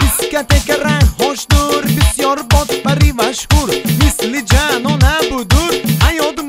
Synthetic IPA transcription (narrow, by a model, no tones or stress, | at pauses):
ɪskʲat̪ekʲaɾahɒʃd̪ʊɾbɪsijɒɾbɒt̪paɾɪmaʃhʊɾmɪslɪd͡ʒanɔnabʊd̪ʊɾhajɒd̪ɪ